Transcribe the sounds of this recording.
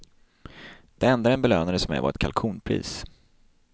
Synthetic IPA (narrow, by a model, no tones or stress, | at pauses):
d̪̥ɛɛnd̪aɾɛnbɛløːnaɾəsɔmɛ̰va̰ɾɛt̪̚kʰa̰lkʰuːnpʰɾḭːs